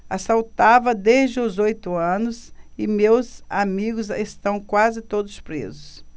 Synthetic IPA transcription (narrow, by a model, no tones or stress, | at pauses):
asawt̪avɐd̪ezd͡ʒɪʊzojt̪ʊɐ̃nʊsɪmewzamiɡʊzest̪ɐ̃w̃kwazɪt̪od̪ʊspɾḛzʊs